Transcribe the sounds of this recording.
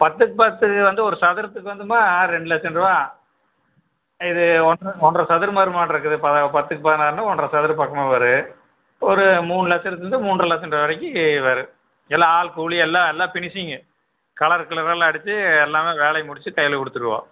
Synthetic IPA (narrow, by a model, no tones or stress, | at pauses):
pɐt̪ːɯkːɯpɐt̪ːɯkːɯʋɐnd̪ɯɔɾɯsɐðɪɾɐt̪ːɯk̬ːɯʋɐnd̪ɯmaːɾɛɳɖɯlɐt͡ʃːɐnɖɾɯʋaː | ɪðɯɔnɐɔndrɐsɐðɪɾɯmɐːðɾɯmaːʈɪɾɯk̬ːɯðɯpɐðɐpɐt̪ːɯkːɯpaːt̪naːɾɯnaɔnrɐsɐðɪɾɯpaːkːɐmeːʋɐɾɯ | ɔɾɯmuːnɯlɐt͡ʃːɐɾɐt̪ːɯɯnd̪ɯmuːnrɐlɐt͡ʃːɐnɐʋɐɾɐk̬ʲːɯʋɐɾɯ | ɛlːãːaːlkuːɭiɛlːãːɛlːaːpɪɳɪsɪŋɡɐ | kɐɭɐɾkːɯɭɐɾaːlɐɽɯt͡ʃːɯɛlːaːmeːʋeːlɐɪmʊɽɪt͡ʃːɯkɐjɐlkɔɽɯt̪ːɯɾɯʋã̰ː